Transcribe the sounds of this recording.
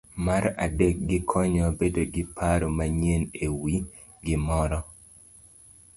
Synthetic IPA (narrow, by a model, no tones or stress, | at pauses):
maɾadek̚ɡɪkʰɔɲɔbedoɡɪpʰaɾomaɲenewi | ɡɪmɔɾɔ